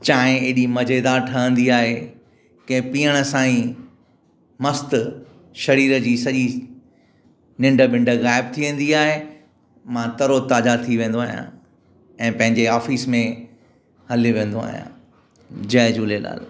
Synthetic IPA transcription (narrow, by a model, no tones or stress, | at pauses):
t͡ɕãːɦɪ̃eɪɗimɐd͡ʑeːd̪aʈʰɐə̃nd̪iaːɦe | kɐ̃ɦɪ̃piːəɽ̃ə̆sãːĩ | mɐst̪ | ʃɐɾiːɾəd͡ʑiːsɐʄi | nɪ̃ɳɖəɓɪ̃ɳɖəɣaːɪb̚t̪ʰiʋẽːn̆d̪iaːɦe | mãt̪ɐɾot̪aːd͡ʑat̪ʰiʋẽːn̆d̪oaːɦijã̰ | ɛ̃ːpɐ̃ɦɪ̃ɲd͡ʑeaːfiːsmẽ | hɐloʋẽːn̆d̪oa̰ːɦijã̰ː | d͡ʑɐɦɪd͡ʑuːlela̰ːl